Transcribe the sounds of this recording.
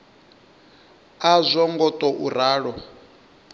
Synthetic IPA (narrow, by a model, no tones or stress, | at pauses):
azʷɔŋɡɔtʼɔʔuɾaːɺɔ